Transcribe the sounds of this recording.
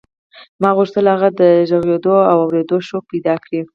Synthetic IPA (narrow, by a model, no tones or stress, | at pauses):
mɑɣuʃt̪əlaɣad̪əʒaɣjed̪oawawɾed̪oʃok̚pajd̪ɑkɽi